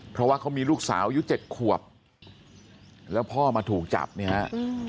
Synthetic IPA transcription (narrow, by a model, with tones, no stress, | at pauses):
pʰɾɔ˦waː˥˩kʰa˦˥wmiː˧luː˥˩k̚sa̰ː˩˦wa˦ju˦˥t͡ɕe˨˩t̪̚kʰu˨˩əp̚ | lɛː˦˥wpʰɔː˥˩maː˧t̪ʰuː˨˩k̚t͡ɕa̰˨˩p̚ni˦˥˩ɦha˦˥ʔ